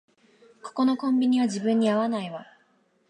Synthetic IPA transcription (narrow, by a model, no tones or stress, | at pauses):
ko̥ko̞no̞kõ̞mbʲiɲ̟iβad͡ʑibɯ̟̃ɲ̟ːiaβanaiβa